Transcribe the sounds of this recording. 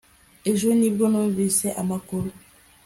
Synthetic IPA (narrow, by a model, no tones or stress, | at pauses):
eʒonibɾonɔnvisɛʔa̰makoɾo